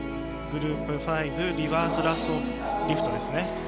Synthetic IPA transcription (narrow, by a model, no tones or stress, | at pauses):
ɡɯ̟ɾɯːpɯ̟ɸaibɯ̟ɾʲiβaːsɨɾasoːs | ɾʲiɸɯ̟̥t̪od̪e̞sɨne̞